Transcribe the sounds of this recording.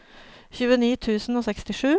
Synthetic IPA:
çʉːəniːt̪ʰʉːsn̩oːsɛkst̪ɪʂʉː

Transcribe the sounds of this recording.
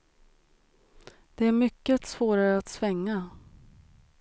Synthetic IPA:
d̪̥ɛæɾmʏkːət̪svoːɾaɾəat̪svɛŋːa

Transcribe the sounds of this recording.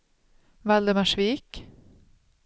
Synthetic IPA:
vald̪əmaʂviːk

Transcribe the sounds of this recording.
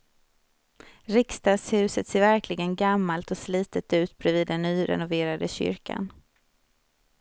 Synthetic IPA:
ɾɪkst̪ɑːɡshʉ̟ːsət̪seːɾvæɾkʰlɪɡənɡamːalt̪ɔsliːt̪ət̪ʉ̟ːt̪bɾɛviːd̪ːɛnːyːɾɛ̰nʊveːɾad̪əɕʏ̰ɾkʰa̰n

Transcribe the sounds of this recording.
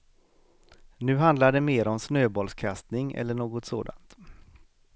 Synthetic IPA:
nʉ̟ːɦand̪laɖɛmeːɾɔmsnøːbɔlskʰast̪nɪŋɛ̰lːəɳoːɡɔt̪soːd̪a̰nt̪

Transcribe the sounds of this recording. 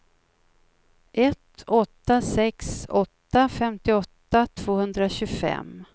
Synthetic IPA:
ʔɛt̪ɔt̪ːasɛksɔt̪ːafɛmt̪ɪɔt̪ːat̪ʰv̥oːhɵnd̪ɾaɕɵfɛ̰m

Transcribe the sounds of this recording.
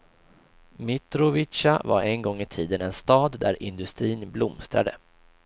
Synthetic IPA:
mɪt̪ɾʊvɪʂavaɾɛnɡɔŋːɪt̪ʰiːd̪ənɛnst̪ɑːd̪ːæɾʔɪnd̪ɵst̪ɾiːnblʊmst̪ɾa̰d̪ə̰

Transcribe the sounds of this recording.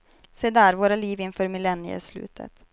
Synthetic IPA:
seːd̪æːɾvoːɾaliːvɪnfœːɾmɪlɛnɪə̰slʉ̟̰ːt̪ʰə̰t̪

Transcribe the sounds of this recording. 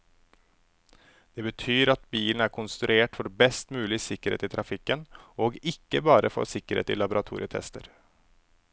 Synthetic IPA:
d̪̥ɛbət̪ʰyːɾɑt̪̚biːln̩æɾkʰʊnst̪ɾʉeːʈfɔɖɛbɛst̪mʉːlɪsɪkəɾḛːt̪ɪt̪ʰɾɑfɪkːənoːɡɪkːəbɑːɾəfɔ̰sɪkəɾhḛːt̪ɪ̰lɑbʊɾɑt̪ʰṵːɾɪ̰ət̪ʰɛ̰st̪əɾ

